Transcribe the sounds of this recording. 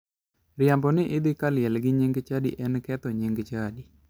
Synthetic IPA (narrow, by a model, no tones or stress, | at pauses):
ɾjambɔnɪʔɪd̪ɪkaljɛlɡɪɲeŋɡt͡ʃadiʔɛnkɛt̪ɔɲeŋɡt͡ʃadi